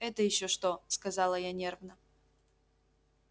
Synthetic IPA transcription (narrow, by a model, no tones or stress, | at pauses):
ɛt̪əjɪɕːoʂt̪oskɐzɑlˠəjanʲervnə